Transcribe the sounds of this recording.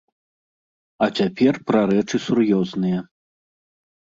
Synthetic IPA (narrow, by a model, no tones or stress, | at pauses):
ɐt͡sʲapʲɛrpɾɐɾɛt͡ʂɨsurjɔznɨjɐ